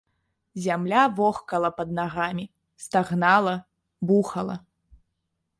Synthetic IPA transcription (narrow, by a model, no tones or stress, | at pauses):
zʲamlʲavɔxkɐlˠɐpɐd̪̚naɣamʲi | st̪aɣnalˠɐ | buxɐlˠɐ̰